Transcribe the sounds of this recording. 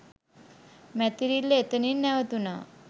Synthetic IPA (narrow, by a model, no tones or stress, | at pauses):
mɛt̪iɾilːeet̪əninːɛʋət̪una